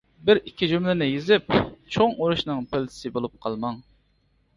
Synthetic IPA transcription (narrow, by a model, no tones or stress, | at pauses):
bɪɾikʲʰːid͡ʒymlɪnɪjezɪp̚t͡ʃʰoŋoɾuʃnɨŋpʰɪlt̪ʰɪ̥sɪbolˠup̚qʰɑlˠmɑŋ